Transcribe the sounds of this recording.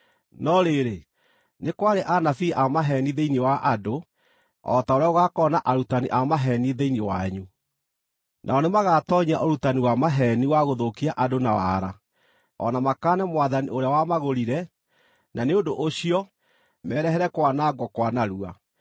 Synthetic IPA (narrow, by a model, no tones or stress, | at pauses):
nɔɾeɾe | nekwaɾeʔanafiʔaɔmaɦɛniðeinewaʔado | ɔ̰taoɾaoɣakɔnaʔaɾutaniʔaɔmaɦɛniðeinewaɲu | nʔa̰ɔnemaɣatɔɲaʔoɾutaniwamaɦɛniwaɣoðokiaʔadonawa̰ɾa | ɔ̰namakaːnɛmwaðanioɾeawamaɣoɾiɾɛ | naneondoʔoɕiɔ | mɛːɾɛɦɛɾɛkwanaːɡwɔkwanaɾua̰